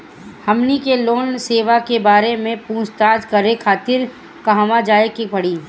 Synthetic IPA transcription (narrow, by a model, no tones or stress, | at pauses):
hɐmnikeloːnseːʋakebaːɾemẽpũːst̪aːd͡ʒkɐɾekʰaːt̪ɪɾ | kɐɦʋad͡ʒaːekipɐɽiː